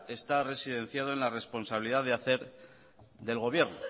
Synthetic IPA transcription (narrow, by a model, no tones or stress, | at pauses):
est̪are̞siðẽ̞nθjað̞oenlare̞spo̞nsaβiliðaðeaθe̞ɾ | ðe̞lɣo̞βje̞ɾno